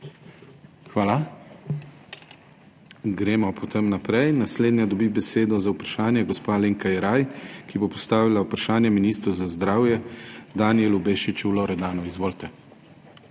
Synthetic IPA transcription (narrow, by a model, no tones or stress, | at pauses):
xʋaːla | ɡɾeːmɔpʰɔt̪emnapɾɛjnasleːd̪njad̪ɔbibɛseːd̪ɔzaupɾaʃaːnjɛɡɔspaleŋkajɛɾajkibopɔst̪aːʋilaupɾaʃaːnjɛminiːst̪ɾuzazd̪ɾaːwjɛd̪aːniɛlubeːʃit͡ʃulɔɾɛd̪aːnɔizʋoːlt̪ɛ